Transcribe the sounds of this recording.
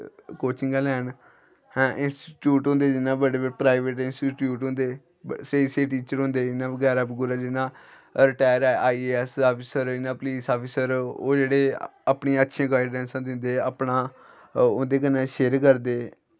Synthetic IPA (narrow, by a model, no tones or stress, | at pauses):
koːt͡ʃɪ̃ŋɡaːlɛːn | hɛ̃ːʔɪnsʈi̥ːʈjuːʈɦʊ̃nd̪eːd͡ʒɪnãːbəɽeːbəpɾaːɪʋeːʈɪnsʈiːʈjuːʈɦʊ̃nd̪eː | seːseːʈiːt͡ʃəɾɦʊ̃ːnd̪eːɪnãːbəɡɛːɾaːbɡuːɾaːd͡ʒɪnãː | ɾɪʈaːjəɾaːaːɛsaːpʰɪsəɾɪnãːpliːsaːpʰiːsəɾoːd͡ʒeːɽeːaːpɳeːətːʃʰẽːɡaːɪɖɛ̃ːnsãːd̪ɪnd̪eːaːpɳaː | ʊnd̪eːkənːãːʃeːɾkəɾd̪eː